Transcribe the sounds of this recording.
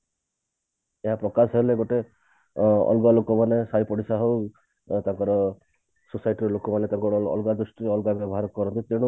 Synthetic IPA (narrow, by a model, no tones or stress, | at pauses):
eɦapɾɔkasɦeleɡoʈe | ɔ̰lɡalokɔmanesajpɔɽisaɦow | t̪ãŋkɔɾɔ | susajʈiɾɔlokɔmanet̪ãŋkɔɾɔɔ̰lɡad̪ɾusʈiɔlɡabjɔbɔɦaɾɔkɔɾɔnt̪it̪eɽ̃u